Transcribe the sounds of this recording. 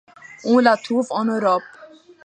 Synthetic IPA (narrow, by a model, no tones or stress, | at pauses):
ũlat̪ʰuvɔnɔɾɔp